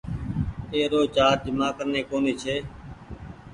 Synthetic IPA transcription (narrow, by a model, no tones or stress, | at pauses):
eːɾoːt͡ʃaːɾ̚d͡ʒɪmaːkəɾneːkoːniːt͡ʃʰeː